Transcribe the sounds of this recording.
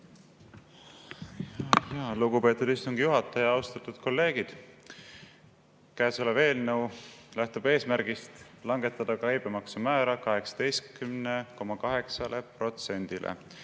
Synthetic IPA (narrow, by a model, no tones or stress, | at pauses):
jɑluɡ̥upe̞ːt̪ːˑud̪ist̪uŋɡ̥ijuɦɑt̪ːˑɑjɑɑwst̪ɑt̪ːˑud̪̥ko̞lːe̞ːɡ̥id̪̥ | kæːsoleve̞ːlnɤwlæht̪ub̥e̞ːsmæɾɡ̥ist̪ | lɑŋɡe̞t̪ˑːɑd̪̥ɑkɑjb̥emɑksumæːɾɑkɑɦe̞ksɑ̥d̪̥e̞jst̪kymneko̞mɑkɑɦe̞ksɑle̞pro̞t̪se̞nʲd̪̥ilʔḛ